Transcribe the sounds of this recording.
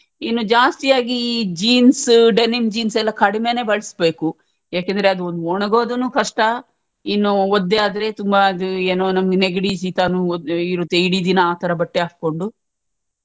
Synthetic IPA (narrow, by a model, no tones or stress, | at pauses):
inːud͡ʒaːst̪ijaːɡid͡ʒiːnsɖenimd͡ʒiːnsɛlːɐkɐɽimeːne̞ːbɐɭɐsbe̞ːku | aːkend̪ɾeɐd̪uond̪uoɳɐɡo̞ːd̪unukɐʂʈɐ | inːuod̪ːeaːd̪ɐɾe̞ːt̪umbaɐd̪ueːnoːnɐmɐɡeneɡɐɽiːs̬it̪aːnuiɾut̪ːeiɽid̪inɐaːt̪ɐɾɐbɐʈːeaːk̚ko̞ɳɖu